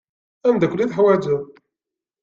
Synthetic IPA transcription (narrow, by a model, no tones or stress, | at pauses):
æmd̪ækʷːliθħwæd͡ʒu